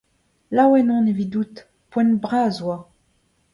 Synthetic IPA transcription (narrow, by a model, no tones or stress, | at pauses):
lawɛnɔ̃nevid̪ut̪ | pwɛ̃nbʁazwa